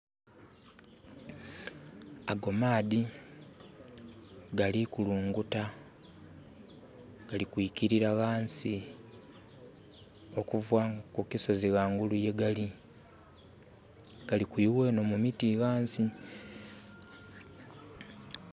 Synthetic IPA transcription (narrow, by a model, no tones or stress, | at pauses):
aɡo̞maːði | ɡalikuluːŋɡuta | ɡ̥alikwiːkiɾiɾaɣaːnsi | o̞kuvwakukiso̞ziɣaːŋɡuluje̞ɡali | ɡ̥alikwiːwe̞nomumitiɣaːnsi